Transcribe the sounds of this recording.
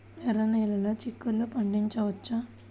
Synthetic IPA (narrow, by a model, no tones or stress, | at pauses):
ɛɾɐnɛːlɐloːt͡ʃikːulːupɐɳɖiɲt͡ʃɐʋɐt͡ʃːa